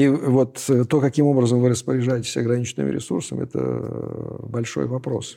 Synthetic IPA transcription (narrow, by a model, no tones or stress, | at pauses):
ivo̞t̪t̪ːo̞kɐkʲimo̞bɾəzəmvɨɾəspəɾʲɪʐajɪtʲɪ̥sʲɐɡɾɐnʲit͡ɕɪnɨ̰mʲɪ̰ɾʲɪ̰sursəmʲɛ̰t̪ə̰ | bɐlʲʂo̞̰jvɐpɾo̞̰s